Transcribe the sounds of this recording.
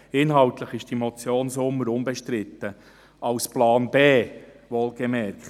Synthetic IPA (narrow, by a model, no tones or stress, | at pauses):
ɪnɦɑlt̪ləχɪʃd̥imɔt͡sjoːnsʊmːəɾʊmbɛʃtɾɪt̪ːə | ɑʊsplɑːnbeː | ʋoːlɡemɛɾkχt